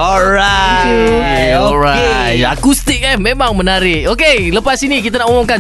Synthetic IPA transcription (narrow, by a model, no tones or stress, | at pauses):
ɔɾa | ɔɾat̪a̰kust̪ɪk̚ɛhmemaŋmənaɾɪkokeləpasinik̬it̪anakomɔŋka